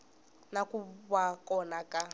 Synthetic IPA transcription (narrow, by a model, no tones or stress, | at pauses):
nakʼuβakʼɔnakʼa